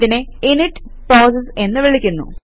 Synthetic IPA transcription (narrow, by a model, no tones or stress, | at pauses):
ðineiniʈː | pɾoːsese̞nːɨʋiɭikʲːunːṵ